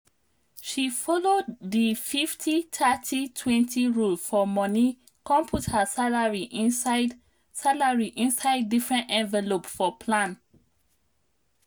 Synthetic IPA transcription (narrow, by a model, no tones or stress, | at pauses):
ʃifɔlodðififtʰitʰatʰitʰwɛ̃ntʰiɹulfɔmɔni | kɔ̃mpʰuthasalaɹiʔĩd | salaɹiʔĩnsaɪdːifɹɛ̃ntɛ̃nvɛlopfɔpʰlãn